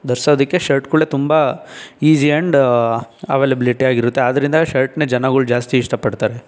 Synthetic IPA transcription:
d̪ɐɾsoːd̪ɐkːe̞ʃɐɾʈkuɭet̪umbɐiːsiɐɳɖ | ɐ̰ʋeːlɐbiliʈiaːɡiɾut̪ːe̞aːd̪ɐɾind̪ɐʃɐɾʈned͡ʒɐnaɡuɭud͡ʒaːst̪iːʂʈɐpɐɖt̪aːɾe̞

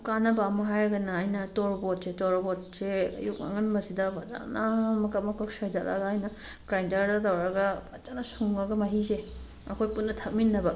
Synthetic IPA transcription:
kanɐbamɐɦajɾɐɡɐnaːjnɐtoɾbot̚setoɾbɔt̚seɐ̰juk̚a̰ŋɐnbɐsidabada̰namɐkɐp̚mɐkʰɔk̚sɔjdala̰ɡaːjnɐ | kɾajntɐɾdatawɾɐɡɐɐt͡ʃanasuŋaɡɐmɐɦize | ɐkʰojpunːɐtʰɐk̚minːɐbɐ

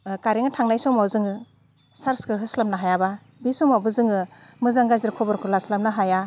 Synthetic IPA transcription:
kaɾiŋatʰaŋnajsɔmawzɯŋɯ | saɾskɯɦɯslamnaɦajaba | bisɔmawbɯzɯŋɯmɯzaŋɡaziɾkʰɔbɯɾkʰɯɾlaslamnaɦaja

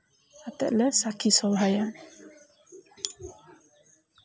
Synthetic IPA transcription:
at̪ə̰ʔləsakʰisɔwɦajan

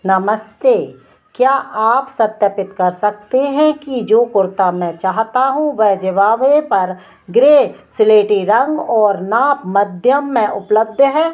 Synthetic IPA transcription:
nɐməst̪e | kjaːʔaːpsɐt̪jəpɪt̪kɐɾsɐk̚t̪eɦɛ̃kid͡ʒoːkʊɾt̪amɛ̃t͡ʃaːɦt̪aɦũʋɛɦd͡ʒəʋaːʋepɐɾ | ɡɾeːsɪleːʈiɾɐ̃ŋɡɔːɾnaːpmɐd̪ʱjəmːẽʔʊpləb̚d̪ʱɦɛː

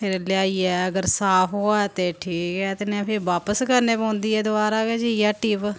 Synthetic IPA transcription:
pʰɪɾljaːiːɛːəɡəɾsaːfɦoːat̪eːʈʰiːkɛːt̪enɛ̃ːpʰɪɾʋaːpəskəɾneːpõːnd̪iːɛːd̪ʊaːɾaːked͡ʒiijaːʈiːp

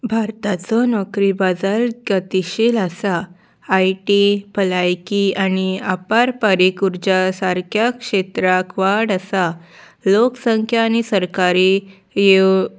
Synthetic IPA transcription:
bʱaɾt̪at͡sɔnɔkɾibad͡zalɡət̪iɕilasaː | jʈipəlajkianiapaɾpaɾikuɾd͡ʑasaɾkʰjakʂet̪ɾakʰʋaɽasa | loksəŋkʰjaːñisəɾkaɾi | je

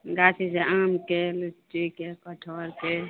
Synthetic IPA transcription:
ɡaːsiseamkelut͡ʃːikekəʈʰoːɾke

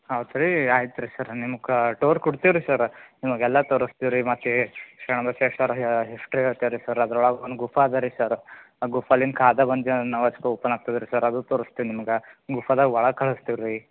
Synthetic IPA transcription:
ɦɐʋt̪ɾiaːjit̪ːɾisɐɾnimɐkʈoːɾkuɽt̪iʋɾisɐɾnimɐɡɛlːɐt̪oːɾust̪iʋɾimɐt̪ːekʂɛɳɐbɐʃesɐɾɦisʈɾiɭt̪iʋɾisɐɾɐd̪ɐɾɔɭɐɡonɡufaːd̪ɐɾisɐɾ | ɡufaːlːinkʰaːd̪ɐbɐnd͡ʒenɐʋɐt͡ʃkeupːɐnaːɡ̚t̪ɐd̪ɾisɐɾɐd̪ut̪oːɾust̪inimɐɡeɡufʰɐd̪aɡʋɐɭɐkʰɐɭɐst̪iʋɾi

